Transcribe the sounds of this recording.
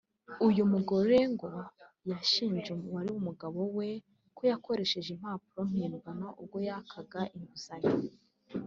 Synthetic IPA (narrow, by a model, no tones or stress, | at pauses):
ujumuɡoɾeŋɡo̞ | jaʃiːnʒewaɾiwumuɡaβo̞we̞ | kojako̞ɾe̞ʃe̞ʒim̥haːpuɾo̞n̥hiːnɡanaʔub̚ɡo̞jakʰaɡaʔiŋɡuzaɲi